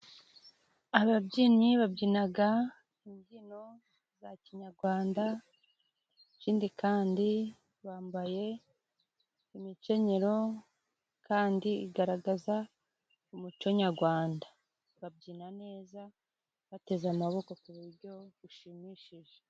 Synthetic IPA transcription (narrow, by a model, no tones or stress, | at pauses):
aβabɟiːɲiβabɟiːnaɡa | imɟino̞ | zaciɲaɾɡwaːnda | iciːndikaːndi | βaːmbaje̞ | imit͡ʃe̞ɲe̞ɾo̞ | kaːndiḭɡaɾaɡaza | umut͡ʃo̞ɲaɾɡwaːnda | βab̚ɟiːnane̞ːza | βate̞zamaβo̞ko̞kuβuɾɟo̞βuʃimiʃiʒe